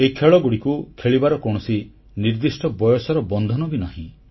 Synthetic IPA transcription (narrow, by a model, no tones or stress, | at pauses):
ekʰeɭɔɡuɽikukʰeɭibaɾɔkɔɽ̃ɔsi | niɾd̪isʈɔbɔjɔsɔɾɔbɔnd̪ʱɔnɔɡinaɦḭ̃